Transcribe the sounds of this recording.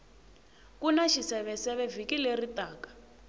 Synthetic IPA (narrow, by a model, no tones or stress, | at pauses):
kunaʃisɛβɛsɛβɛvikileritʼaːkḁ